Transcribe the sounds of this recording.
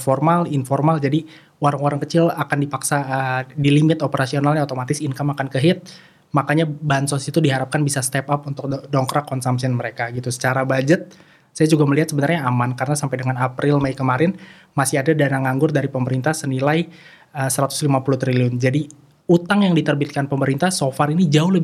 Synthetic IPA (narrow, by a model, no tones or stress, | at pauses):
fɔrmalinformald͡ʒadi | waɾaŋwaɾaŋkət͡ʃɪlakandipaksaʔədilimɪt̪opəɾasionalɲaat̪omat̪ɪsinkamakankəɦɪt̪̚ | makaɲabansɔsit̪udiɦaɾap̚kanbisast̪ɛpap̚unt̪ʊk̚dɔŋkɾakɔnsamsiənməɾekaɡit̪usə̥t͡ʃaɾabad͡ʒət̪̚ | sajad͡ʒuɡaməliɦat̪səbənarɲaːmankaɾənasampajdəŋanapɾɪlmajkəmaɾɪn | masiadadanaŋaŋɡʊrdaɾipəməɾint̪ahsənilaj | əsəɾat̪ʊ̥slimapulut̪ɾiliʊnd͡ʒadi | ut̪aŋjaŋdit̪ərbit̪̚kanpəməɾint̪ahsofaɾinid͡ʒaʊhləb